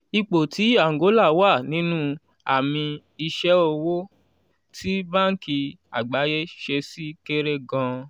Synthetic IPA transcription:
i˧k͡po˨tʰi˨˦a˦˨ŋ˨ɡo˨˦la˦˨wa˦˨nĩ˨˦nũ˦ | a̰˨mĩ˧ | i˧ʃɛ˦o˧wo˦ | tʰi˦bã˦ŋ̩˦ki˧ | a̰˨ɡ͡ba˨˦je˦ʃe˧si˦ke˦ɾe˦ɡã˧

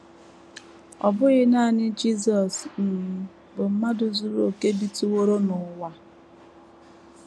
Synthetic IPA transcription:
ɔ̰˨bʊ˦ɣɪ˦na˦˨nɪ˦d͡ʒi˦zɔ˨sn̩˨˦ | bʊ˨m̩˦ma˦dʊ˨zu˦ɾo˨ke˦bi˦tu˨wo˦ɾo˦nʊ˨˦wa˦

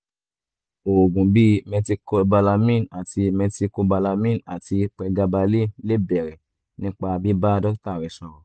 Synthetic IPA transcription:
o˨ɡũ˨bi˦mɛ̃˧si˧ko˧ba˧la˧mĩ˦˨na˨ti˧mɛ̃˧si˧ko˧ba˧la˧mĩ˦˨a˨ti˧k͡pɛ˧ɡa˧ba˧le˦˨le˦bɛ˨ɾɛ˨ | nĩ˦k͡pa˧bi˦ba˦˧dɔ˦kta˦˨ɾi˨˧˦sɔ̃˧ɾɔ̃˨

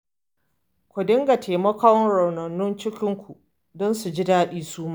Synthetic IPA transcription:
kʷʊ˨dɪ˦ŋɡa˨tʰeː˨mɐ˦ka˦wnɽɐ˨wnɐ˨nːʊ˦nt͡ʃɪ˦kʲɪ˦ŋkʷu˨ʔ | dɔ˦nsu˨d͡ʒɪ˦daː˦ɗiː˦suː˦maː˦

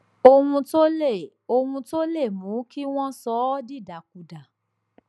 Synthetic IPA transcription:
o˧wũ˧to˦le˦˨ | o˧wũ˧to˦le˦˨mũ˨˦ki˦w̃ɔ̃˦sɔ˦di˦˨da˨˦k̚u˧da˨

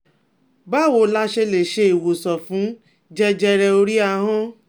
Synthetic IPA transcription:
ba˦˨wo˧˦la˦ʃe˧le˨ʃe˧i˨wo˨sɔ˨fũ˨˦ | d͡ʒɛ˦d͡ʒɛ˧ɾɛ˧o˧ɾi˦a˧ɦɔ̃˦

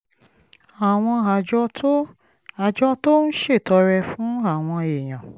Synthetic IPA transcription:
a˨w̃ɔ̃˧a˨ɔ˦ | a˨d͡ʒɔ˦to˦n̩˦ʃe˦˨tɔ˧ɾɛ˧fũ˨˦a˦˨w̃ɔ̃˧e˨j̃ã˨

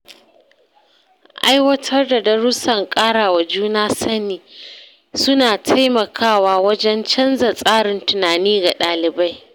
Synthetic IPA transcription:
ʔa˦jwɐ˦tʰɐ˦rda˨dɐ˦ɽʊ˦sɐ˨ŋkʼaː˦ɽaː˨wa˨d͡ʒuː˦naː˦sɐ˦niː˨ | sʊ˦naː˨tʰa˦jmɐ˨kʰaː˦˨waː˦wɐ˦d͡ʒɛ˦nt͡ʃɐ˦nza˨sʼaː˦ɽɪ˨ntʊ˨naː˨niː˦ɡa˨ɗaː˨lɪ˨ba˦j

